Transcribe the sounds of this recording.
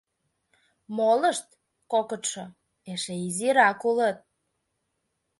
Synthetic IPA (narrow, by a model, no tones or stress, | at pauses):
moləʃt̪ | kokət̪ʃo | eʃeiziɾɑkulət̪̚